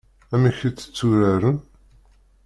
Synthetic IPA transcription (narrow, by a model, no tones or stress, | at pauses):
æmiçit͡sːə̥t͡sːuɾaɾən